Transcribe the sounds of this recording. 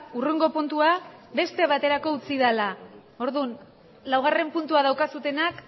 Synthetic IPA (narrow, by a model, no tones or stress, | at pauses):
uruŋɡo̞punt̪uabe̞st̪e̞βat̪e̞ɾako̞ut͡sið̞ala | o̞ɾðun | lawɣ̞are̞mpunt̪uað̞awkasut̪e̞nak